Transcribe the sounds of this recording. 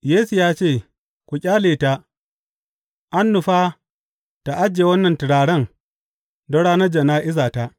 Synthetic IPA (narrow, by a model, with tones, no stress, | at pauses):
jeː˦su˨jaː˦t͡ʃeː˦˨ | kʷu˨kʲʼaː˦leː˨ta˦ | ʔa˦nːʊ˨ɸaː˦ | ta˨ʔa˦d͡ʒːeː˨wɐ˦nːɐ˨ntɪ˨ɽaː˨ɽɐ˦ŋ | do˦ɽaː˦nɐ˦d͡ʒɐ˨naː˦ʔɪ˦zaː˨ta˦ʔ